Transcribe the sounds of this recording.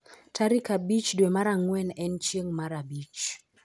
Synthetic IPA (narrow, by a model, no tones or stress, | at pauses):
tʰaɾikabit͡ʃdwemaɾaŋwɛnɛnt͡ʃəŋmaɾabit͡ʃ